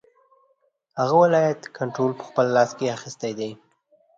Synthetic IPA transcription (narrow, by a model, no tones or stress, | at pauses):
haɣawɪlɑjat̪kʰaɳʈɾolpə̥xpəlːɑskeaxist̪ajd̪e